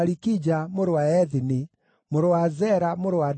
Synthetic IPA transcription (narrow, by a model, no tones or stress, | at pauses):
aɾikid͡ʑamoɾowaɛðini | moɾowazɛɾamoɾowa